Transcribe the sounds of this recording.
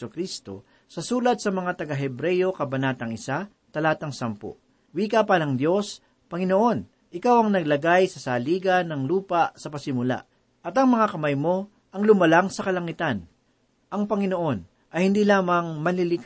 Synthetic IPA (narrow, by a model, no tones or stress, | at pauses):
ʊkɾist̪o̞̰ | sɐsuːlɐd̪̚sɐmɐŋat̪ɐɡaɦɛbɾɛjo̞kɐbɐnaːt̪ɐŋɪsa | t̪ɐlaːt̪ɐŋsɐmpo̰ | wiːkapɐnɐŋd̪jo̞s | pɐŋɪnoʔo̞n | ʔɪkawɐŋnɐɡlɐɡajsɐsaːliːɡɐnːɐŋluːpasɐpɐsɪmʊla̰ʔ | ʔɐt̪ɐŋmɐŋakɐmajmo̞ | ʔɐŋlʊmɐlaŋsɐkɐlɐŋɪt̪an | ʔɐŋpɐŋɪno̞ʔo̞n | ʔɐjhɪnd̪iːlaːmɐŋmɐlilɪk